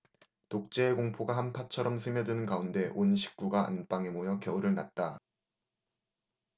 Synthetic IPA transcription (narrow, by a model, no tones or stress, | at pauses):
tok̚t͡ɕ͈e̞ːkoŋpʰoɡahanpʰat͡ɕʰʌɾʌmsʰɯmjʌdɯnɯnkaunde̞ʔonɕʰi̥k̚k͈uɡaa̰np͈aŋe̞mojʌkjʌuɾɯɭnat̚t͈a